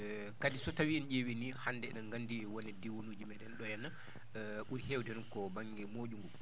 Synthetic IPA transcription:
kadisɔtawiɛnd͡ʒewinihandɛɗɛnɡandiwɔnɛdiwonud͡ʒimɛɗɛnɗɔjɛnːa | ɓuɾihewdɛnunkɔbaŋɡɛmoɗuŋɡɔ

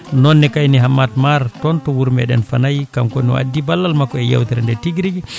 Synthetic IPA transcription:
nɔnːɛkajniɦamːatmaɾtɔntɔwuɾmɛ̰ɗɛ̰nfanajkamkɔnɔ̰wa̰dːibalːalmakːɔɛja̰wt̪iɾandɛtiɡɾiɡi

